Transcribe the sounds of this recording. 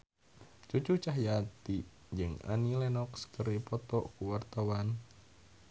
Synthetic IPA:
t͡ʃut͡ʃut͡ʃaɦjat̪i | d͡ʒɨŋa̰nilɛnɔkskəɾipɔt̪ɔkuwart̪awan

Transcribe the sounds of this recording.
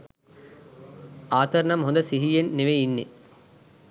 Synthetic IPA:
aːt̪ɐɾɐnɐmɦond̪ɐsiɦijenːiʋeinːḭ

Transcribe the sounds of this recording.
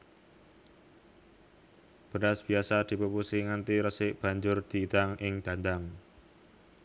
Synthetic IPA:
b̥ə̤nasb̥i̤asad̪̥i̤pəpusiŋant̪iɾəsɪʔb̥a̤ɲd͡ʒʊrd̪̥i̤ːd̪aŋʔɪŋd̪̥a̤nd̪aŋ

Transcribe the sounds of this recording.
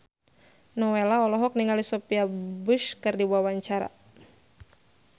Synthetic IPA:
nɔwelaɔlɔɦɔk̚niŋalisɔpiabuʃkɨrdibuawaɲt͡ʃaɾa̰

